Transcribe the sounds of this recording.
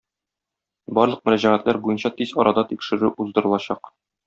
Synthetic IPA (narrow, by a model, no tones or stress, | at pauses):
bɒɾlˠɤq̚mɵ̆ɾæʑæʁæt̪læɾbujɤnɕɑt̪izɒɾɑd̪ɑt̪ikʃɘ̆ɾʉʔuzd̪ɤ̆ɾɤ̆lˠɑɕɑq